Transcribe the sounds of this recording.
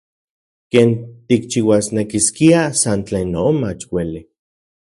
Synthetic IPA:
keːnt̪ik̚t͡ʃiwasnekiskiasant͡ɬeːnːoomat͡ʃweli

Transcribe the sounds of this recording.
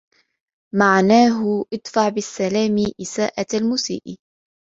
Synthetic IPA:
maʕnaːɦʊʔɨd̪ˤfɑʕbɪsːalaːmɪʔɪsaːʔaalmuːsḭːʔ

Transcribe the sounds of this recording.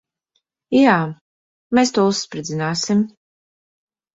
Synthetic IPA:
jaː | meːst̪uɔːusːpɾɨd̪zinaːsim

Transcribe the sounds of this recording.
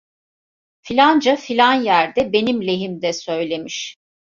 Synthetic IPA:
filʲand͡ʒafilʲanjæɾd̪ɛbe̞nimlʲe̞ɦimd̪ɛsø̞jlʲe̞miʃ

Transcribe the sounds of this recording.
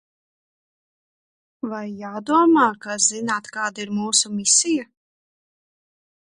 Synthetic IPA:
vajːaːd̪uɔmaːkazinaːt̪kaːd̪aiɾmuːsumisija

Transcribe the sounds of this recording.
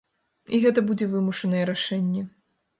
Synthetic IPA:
iɣɛt̪ɐbud͡zʲɛvɨmuʂɐnɐjɛɾaʂɛnʲːɛ

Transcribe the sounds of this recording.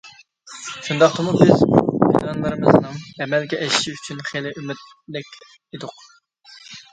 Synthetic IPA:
ʃund̪ɑqt̪ʰɨmubɪzbḭd̪ɑnlˠɨɾɨmɨznɨŋɛmɛlɡʲɛʔɛʃʃiyt͡ʃʰynχelɪʔymɪt̪ | lɪkʲ | ed̪ʊq

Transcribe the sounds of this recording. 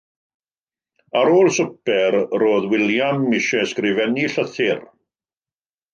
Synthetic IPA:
aɾoːlˠsʊpɛɾroːðwɪljamːɪʃɛskrɪvɛniɬəθɪr

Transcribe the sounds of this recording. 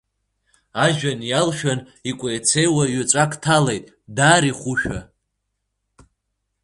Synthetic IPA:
aʒᶣanjalʃᶣan | ikʷʼejt͡sʰejwaɥat͡ʃʷʼakʼtʰalejtʼ | daːɾiχʷuʃᶣa̰

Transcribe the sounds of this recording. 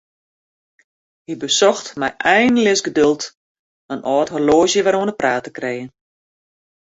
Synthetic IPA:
hibəsɔxtmɛjʔɛjnlɪsɡədølˠt | ənʔɔːtɦorloːzjəʋaɾuənəpraːtəkrejən

